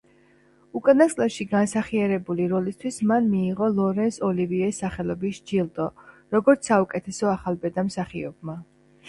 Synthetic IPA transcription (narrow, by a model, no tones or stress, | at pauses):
ukʼanaskʼlɛʃiɡansaχiaɾɛbuliɾɔlist̪ʰwismanmiːʁɔlˠɔɾɛnsɔliviɛsːaχɛlɔbisd͡ʒilˠt̪ʼɔ | ɾɔɡɔɾt̪ssaukʼɛt̪ʰɛsɔaχalbɛd̪amsaχiɔbma